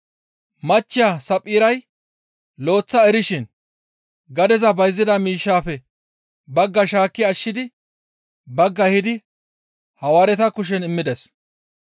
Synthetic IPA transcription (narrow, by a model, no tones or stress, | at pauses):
mɐt͡ʃːɪjasɐpʼːiːɾɐj | lo̞ːt͡sːɐɛɾɪʃɪn | ɡɐd̪ɛzɐbɐjzːɪd̪ɐmiːʃːaːfɛ | bɐɡːɐʃaːkːɪɐʃːɪd̪ɪ | bɐɡːɐhɪd̪ɪ | hɐwaːɾɛt̪ɐkʊʃ̬ɛnɪmːɪd̪ɛs